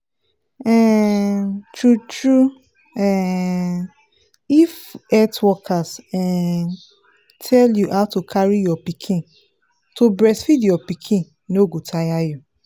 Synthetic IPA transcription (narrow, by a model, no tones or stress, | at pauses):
ɛ | tɹutɹu | ɛ̃ | ifɛtwɔkʰasɛ | tʰɛljuʔaʊtokʰaɹijɔpikʰĩn | tobɹɛsfidjɔpikʰĩn | noɡotʰajaju